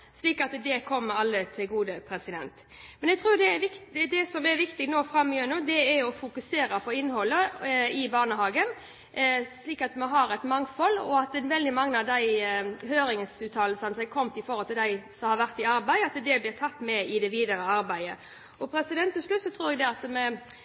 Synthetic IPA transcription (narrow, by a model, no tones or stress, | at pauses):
sliːkɑt̪d̪ɛkʰɔmːəɾɑlːət̪ʰɪlɡuːd̪əpʰɾɛsɪd̪ɛnt̪ | mɛnɛɡt̪ʰʁuːd̪ɛɛʋɪkd̪ɛsɔmɛɾʋɪkt̪ɪɡnoːfɾɑmːɪʉnʉːd̪ɛæɔfʊkʉseːɾɑpʰɔɪnːhɔlːəɪbɑːʁnəɦɑːɡən | sliːkɑt̪mɛɦɑɾɛt̪mɑŋfɔlːɔɑt̪nʋɛld̪ɪmɑŋːəɑʋd̪æɪhøːɾɪŋsʉːt̪ʰɑːllsɑnəsæɪkʰɔmt̪ɪfɔɾɔlt̪ɪld̪æɪsɔmhɑɾʋæʁt̪ɪɑɾbæɪɑt̪d̪ɛblɪʁt̪ʰɑt̪ːmɛɪd̪ɛʋiːd̪əɾəɑɾbæɪə̰ | ɔpʰɾɛsɪd̪ɛnt̪ːɪʂlʉt̪sɔt̪ʰɾuːɾɛɡd̪ɛɑt̪mɛ